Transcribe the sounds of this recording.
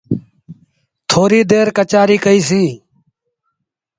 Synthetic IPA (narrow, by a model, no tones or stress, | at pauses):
t̪ʰoːɾiːd̪eːɾkət͡ʃaːɾiːkəiːsiː